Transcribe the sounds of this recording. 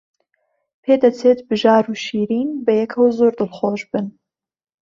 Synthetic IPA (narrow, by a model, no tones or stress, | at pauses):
pʰeːd̪ɐt͡sʰeːt̪bɨʒaːɾuːʃiːɾiːnbɐjɛkʰɐwzoɾd̪ɨlχoːʒbɨn